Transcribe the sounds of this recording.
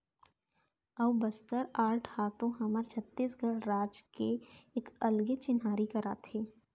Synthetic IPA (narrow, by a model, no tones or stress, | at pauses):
əʋbəst̪əɾaːʈʰhaːt̪õɦɐməɾt͡ʃʰət̪ːiːsɡʱəɽɾaːd͡ʒkeːkəlɡet͡ʃɪnɦaːɾikɐɾa̰ːt̪ʰeː